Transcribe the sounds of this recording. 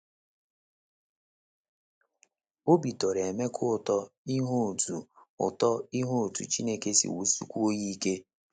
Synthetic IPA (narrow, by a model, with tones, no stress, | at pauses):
o˦bi˨tɔ˨ɾe˨me˦kʰʊ˦ʊ˦˨tɔ˦i˦ɦo˦˨tu˨ʊ̰˨tɔ˦i˦ɦo˦o˨tṵ˨t͡ʃi˦ne˦ke˦sḭ˨wu˦sṵ˦kʷu˦o˦ji˦ke˦